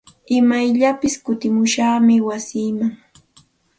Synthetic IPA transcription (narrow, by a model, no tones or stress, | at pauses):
ɪmajʎapɪskʊt̪ɪmʊʃaːmɪwasiːmaŋ